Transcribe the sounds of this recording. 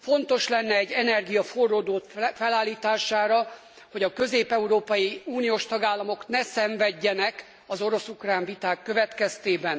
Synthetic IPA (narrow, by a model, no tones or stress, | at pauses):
fo̞nt̪o̞ʃlɛnːɛɛɟːɛnɛrɡijɒfo̞rːoːd̪oːt̪fɛlaːlːiːt̪aːʃaːɾɒ | ho̞ɟɒkø̞zeːpɛuɾoːpɒjiuːnijoːʃt̪ɒɡaːlːɒmo̞knɛsɛɱvɛɟːɛnɛk | ɒzo̞ɾo̞sukraːɱvit̪aːkːø̞vɛt̪kɛst̪eːbɛn